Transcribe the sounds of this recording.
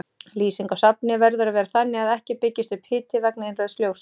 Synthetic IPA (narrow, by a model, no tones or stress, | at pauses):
liːsiŋkasapnɪvɛɾðʏɾavɛːɾaθanːɪaðɛhcɪpɪcːɪst̪ʏphɪːt̪ʰɪvɛk̚nɪɪnrœðst̪ljoːws